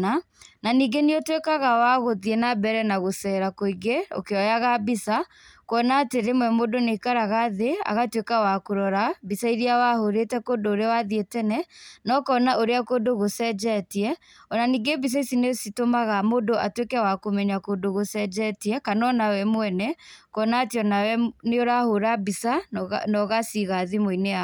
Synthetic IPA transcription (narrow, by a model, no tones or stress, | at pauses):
a | naniːɡeniotwekaɣawaɣoðiɛnabɛɾɛnaɣosɛɾakoiɡeo̰keɔjaɣabisa | koɔnaːteɾemwɛmodoneikaɾaɣaðea̰ɣatwekawakoɾɔɾabisaiɾiawahoɾetɛkodoːɾeawaðietɛnɛnɔkɔnaʔoɾeakodoɣosɛd͡ʒɛtiɛ | ɔnaniɡebis̬aisinesitomaɣamodoʔatwekɛawakomɛɲakodoɣosɛd͡ʒɛtiɛkanɔnawɛmwɛnɛkɔnateɔnawɛneoɾahoɾabisanɔɣasiɣaðimoinea